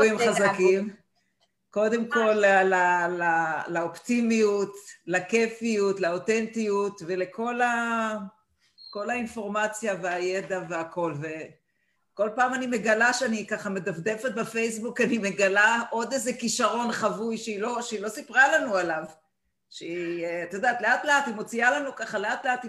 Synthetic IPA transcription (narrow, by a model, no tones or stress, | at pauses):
imχazakim | ko̞d̪e̞mko̞llalalaoptimijutlakefijutlaot̪ent̪ijutve̞lekʰo̞la | ko̞lainfo̞ʁmat͡sjaveaje̞d̪aveako̞lve̞ | ko̞lpaːmanime̞ɡalaʃeanikaχame̞d̪avd̪efet̪̚bafe̞jsbukanime̞ɡalaʔo̞d̪ezekiʃaʁo̞nχavujʃeilo̞ʃeilo̞sipʁalanualav | ʃeit̪od̪at̪le̞at̪leathimo̞t͡sialanukaχaleat̪le̞ati